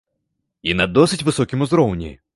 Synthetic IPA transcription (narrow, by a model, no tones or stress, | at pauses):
inɐd̪ɔsɨtʲvɨsɔkʲɪmʊzɾɔwnʲɪ̰